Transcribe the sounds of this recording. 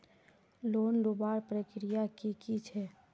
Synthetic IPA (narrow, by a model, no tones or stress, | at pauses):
loːnlubaːɾpɾəkɾijakikit͡ʃʰɛː